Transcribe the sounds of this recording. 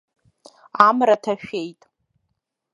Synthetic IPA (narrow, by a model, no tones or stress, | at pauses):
amratʰaʃᶣe̞jtʼ